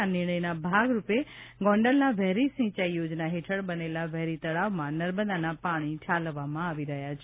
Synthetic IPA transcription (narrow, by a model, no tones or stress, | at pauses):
anɪɾɳ̃əjnabʱaɡɾupeɡɔ̃ɳɖəlnaʋɛɦɾisĩt͡ʃaijod͡ʒnaɦeʈʰəɽbənelaʋɛɦɾit̪əɭaʋmãnəɾbəd̪anapaɽ̃it͡ʃʰalʋamãaʋiɾəɦjat͡ʃʰe